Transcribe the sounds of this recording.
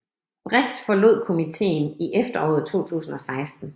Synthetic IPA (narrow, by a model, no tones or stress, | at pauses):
b̥ʁɛɡ̥sfɒ̽lo̝ð̰ˠkʰo̝mit͡sʰe̝̰ːn̩iʔefd̥ɐɒ̰ːð̩ˠt͡sʰo̝̰ːt͡sʰṵːsn̩ɒ̽sɑ̈ɪsd̥n̩